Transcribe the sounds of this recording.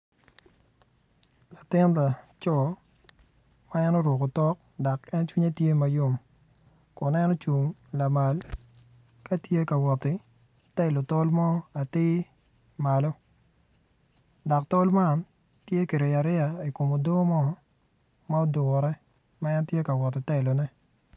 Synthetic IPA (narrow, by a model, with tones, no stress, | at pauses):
la˨tɪ˦n˦la˨t͡ʃɔ˦˨ | ma˦ɛ˦nɔ˦ɾwo˨ko˨tɔ˦k | dɔ˨kɛ˦nt͡ʃwi˦ɲe˦tje˦ma˨jo˦m | kɔ˨nɛ˦nɔ˦t͡ʃu˨ŋla˨ma˨l | ka˦tje˦ka˨wɔ˨tɪ˦ | tɛ˦˨lo˨tɔ˦lmɔ˦a˨tɪː˦ | ma˨lɔ˦ | dɔ˨k̚tɔ˦lma˦˨n | tje˦ke˨ɾɪ˨a˨ɾɪ˦a˨i˨ko˨mo˨do˦mɔ˦ | ma˦ɔ˦dʊ˨ɾɛ˦ | ma˦ɛ˦ntje˦ka˨wɔ˨tːɪ˨tɛ˦˨lo˨nɛ˦